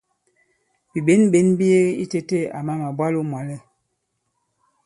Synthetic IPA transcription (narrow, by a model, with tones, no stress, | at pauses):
bi˨be˨˦nbe˨˦nbi˦e˦i˦te˦te˦a˨ma˦ma˨bwa˦lo˦mwa˨lɛ˦